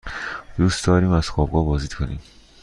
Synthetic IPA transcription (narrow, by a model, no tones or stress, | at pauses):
d̪̥ust̪d̪ɒːɾiːmæz̥xɒːbɡɒːbɒːziːd̪kʰonḭːm